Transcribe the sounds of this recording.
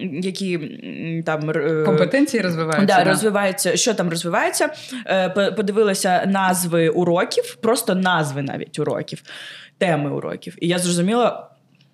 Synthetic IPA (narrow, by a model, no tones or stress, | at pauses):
jɐkʲi | t̪ɑmkmpet̪ɛnʲt͡sʲijiɾɔzʋɪʋɑjd̪ɑrɔzʋɪʋɑjet͡sʲːɐʃt͡ʃɔt̪ɑmrɔzʋɪʋɑjet͡sʲːɐppɔd̪ɪʋɪlˠɔsʲɐnɑzʋɪʊɾɔkʲifpɾɔst̪ɔnɑzʋɪnɑ̰ʋʲḭtʲʊɾɔ̰kʲiwt̪ɛmɪʊ̰ɾɔ̰kʲiwijazrɔzʊmʲilˠɐ